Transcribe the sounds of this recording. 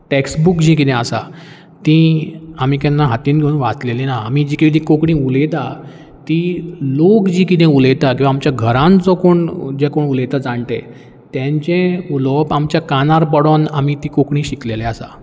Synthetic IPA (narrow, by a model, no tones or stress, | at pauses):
ʈeksbukd͡ʑik̬it̪ɛ̃asa̰ | t̪ĩam̤iːkɛ̃nːaɦat̪iːnɡʱeũnʋat͡slelinaːmid͡ʑiːkit̪ĩkokɳĩːulet̪a | t̪ilokd͡ʑiːkit̪ɛ̃ulejt̪akĩw̃ʋaːmt͡ɕjaɡʱəɾãnt͡sɔkoɳd͡ʑekoɳulet̪ad͡zãɳt̪ḛ̃ | t̪jãɲt͡ɕẽulɔpamt͡ɕjakanaɾpəɽonamit̪ikokɳĩːɕiklelɛasa̰